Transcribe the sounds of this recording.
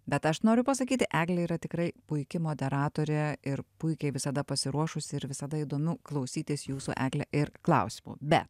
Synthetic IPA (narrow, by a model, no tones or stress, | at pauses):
bʲɛt̪ɐʃnoːɾʲʊpɐsɐkʲiːt̪ʲɪʔæːɡlʲɛiːɾɐt̪ʲɪkɾɐɪpʊɪkʲɪmoːd̪ʲɛɾɑːt̪oːɾʲɛɪɾpʊɪkʲɛɪʋʲɪsɐd̪ɐpɐsʲɪɾuɔʃʊsʲɪɪɾʋʲɪsɐd̪ɐiːd̪oːmʲʊklˠɐʊsʲiːt̪ʲɪsjuːsṵʔæ̰ːɡlʲɛʔɪɾklˠɐ̰ʊsʲɪmṵbʲɛ̰t̪